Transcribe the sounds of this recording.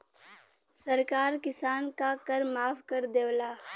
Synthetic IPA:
sɐɾkaːɾkɪsaːnkakɐɾmaːfʰkɐɾd̪eːʋlaː

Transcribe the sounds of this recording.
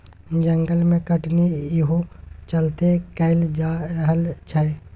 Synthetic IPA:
d͡ʒə̃ŋɡəlmẽkəʈnijɦot͡ʃɐlt̪ekɛɪld͡ʒaːɾəɦəlt͡ʃʰɐ

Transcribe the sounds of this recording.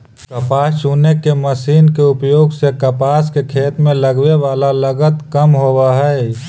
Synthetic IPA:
kɐpaːt͡ʃuːnekeməsiːnkeʊpjoːɡsekɐpaːskekʰeːt̪mẽlɐɡʋeʋaːlalɐɡət̪kəmɦowaɦɛː

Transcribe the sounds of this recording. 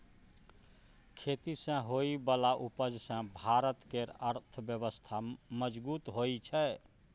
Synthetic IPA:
kʰet̪isə̃ɦoibəlaʔupəd͡ʒsə̃bʱaɾət̪keɾəɾt̪ʰəbjəβəst̪ʰaməd͡ʒbut̪ɦoit͡ʃʰɛ

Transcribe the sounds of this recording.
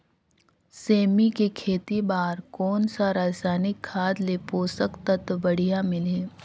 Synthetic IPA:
seːmikekʰeːt̪ibaːɾkɔːnsaɾaːd͡ʒsaːnɪkʰːaːd̪lepoːsəkt̪ɐt̪bɐɽ̤ijamɪleː

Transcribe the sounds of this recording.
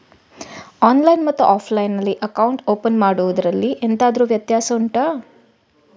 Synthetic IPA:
aːnlɐjnmɐt̪ːuʔaːpʰlɐjnːɐlːiʔɐkɐwuɳʈoːpɐnmaːɽuʋud̪ɐɾɐlːiʔent̪aːd̪ɐɾuːʋjɐt̪jaːsɐuɳʈaː

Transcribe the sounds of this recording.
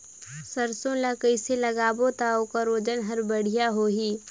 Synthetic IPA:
səɾsõlakəɪseləɡaːbot̪aokaɾoːd͡ʒənɦɐɾbəɽ̤ijaɦoːɦiː

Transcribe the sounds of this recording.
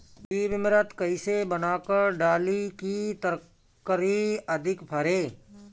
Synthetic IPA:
biːʋɪmɾət̪kəisebənaːkəɾɖaːlikit̪əɾ | kəɾiəd̪ʱɪkpʰəɾeː

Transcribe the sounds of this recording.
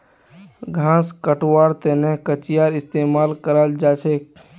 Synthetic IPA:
ɡʱãːskəʈwaːɾt̪enekət͡ʃɪjaːɾɪst̪eːmaːlkəɾəld͡ʒaːt͡ʃʰeːk̚

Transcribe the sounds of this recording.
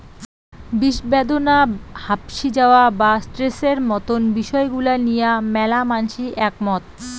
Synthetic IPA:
biʃbed̪onahapʃid͡ʑaoabasʈɾeseɾmɔt̪onbiʃɔeɡulanijamɛlamanʃiʔɛk̚mɔt̪

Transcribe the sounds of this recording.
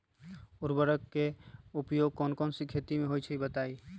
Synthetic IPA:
ʊɾbəɾəkːeʊpjoːɡ̚kɔːnkɔːnsikʰeːt̪imẽɦoːjt͡ʃʰəibət̪aːi

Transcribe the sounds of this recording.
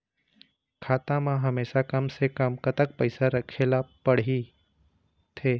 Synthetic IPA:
kʰaːt̪ãmãɦəmeːʃakəmsekəmkət̪ək̚pəɪsaɾəkʰelapəɽ̤i | t̪ʰeː

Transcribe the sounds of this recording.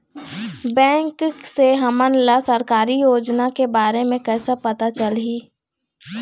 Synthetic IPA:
bɛ̃ːŋkseɦɐmənlasəɾkaːɾijoːd͡ʒnakebaːɾemẽkɛːsapɐt̪at͡ʃəlɦiː

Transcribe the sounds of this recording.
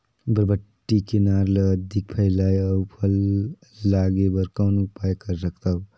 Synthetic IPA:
bəɾbəʈːikenaːɾləd̪ʱik̚pʰəɪlaːjɔːpʰəlː | aːɡebəɾkɔːnupaːjkəɾsəkʰt̪aːɦu

